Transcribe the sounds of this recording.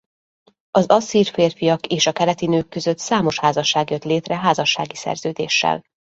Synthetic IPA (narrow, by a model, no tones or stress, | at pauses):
ɒzɒsiːrfeːrfijɒkeːʃɒkɛlɛt̪inøːkːø̞zø̞t̪saːmo̞ʃhaːzɒʃːaːɡjøt̪leːt̪rɛɦaːzɒʃːa̰ːɡisɛ̰rzøːd̪ḛːʃːɛ̰l